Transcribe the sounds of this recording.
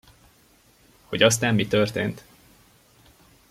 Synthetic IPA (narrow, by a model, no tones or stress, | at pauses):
ho̞ɟɒst̪aːmːit̪ørt̪eːnt̪